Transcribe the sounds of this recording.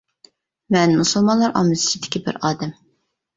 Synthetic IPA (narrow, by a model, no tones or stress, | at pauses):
mɛnmusulˠmɑnlˠɑɾʔɑ̰mɨzɪ̥t͡ʃʰid̪ɪ̥kʲibɪ̰ɾɑːd̪ɛm